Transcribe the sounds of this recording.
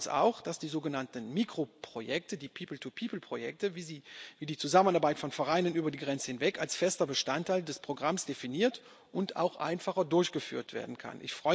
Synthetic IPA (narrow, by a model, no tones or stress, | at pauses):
sa̰ʊxd̥asd̥iːzoːɡənantn̩miːkʁ̥opʁ̥ojɛk̚tədiːpʰiːpl̩tʰupʰiːpl̩pʁ̥ojɛk̚təviziviːdiːt͡suzamənʔaɐbaɪtfɔnfɛʁaɪnənʔyːbɐdiːɡʁɛnt͡səhɪnvɛkalsfɛstɐbəʃtantʰaɪldɛspʁ̥oɡʁamsd̥efiniːɐt | ʔʊnta̰ʊxʔa̰ɪnfaχɐdʊɐçɡ̥əfy̰ːɐtv̥ḛːɐdn̩kʰa̰nʔɪ̰çfʁ̥ɔʏ